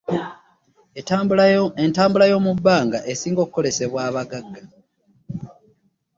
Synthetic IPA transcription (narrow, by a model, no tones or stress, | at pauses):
entaːmbulajo̞ːmubːaːŋɡaʔe̞siːŋɡo̞kuko̞le̞se̞βwaːβaɡaɡːa